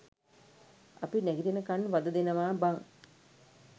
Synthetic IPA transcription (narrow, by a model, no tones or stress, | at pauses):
apinɛɡiɾinəkanʋad̪ɐd̪enɐʋaːbaŋ